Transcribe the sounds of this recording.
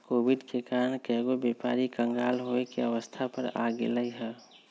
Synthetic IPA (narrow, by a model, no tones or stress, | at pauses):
koːbiɖkekaɾənkɛɡobepaɾikə̃ŋɡaːlɦoekeəʋəst̪ʰapəɾa̰ɡḛləiɦɛ